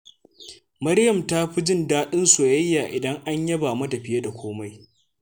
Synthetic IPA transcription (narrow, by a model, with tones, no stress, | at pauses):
mɐ˦ɽjɐ˨mta˦ɸi˦d͡ʒɪ˦ndaː˦ɗɪ˦nsu˨jɐ˦jːaː˨ʔɪ˨dɐ˦ŋʔa˦ɲjɐ˦baː˨mɐ˦tɐ˨ɸɪ˨jɐ˦da˨kʷoː˦ma˦j